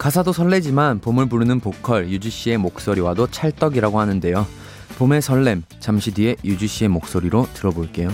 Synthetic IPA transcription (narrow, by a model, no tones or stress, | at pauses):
kasʰadosʰʌɭːe̞d͡ʑimanpomɯɭpuɾɯnɯnpokʰʌɭjud͡ʑiɕ͈ie̞mok̚s͈oɾiwadot͡ɕʰaɭt͈ʌɡiɾaɡohanɯnde̞jo | pome̞sʰʌɭːe̞m | t͡ɕamɕʰidɥie̞jud͡ʑiɕ͈ie̞mok̚s͈oɾiɾotɯɾʌboɭk͈e̞jo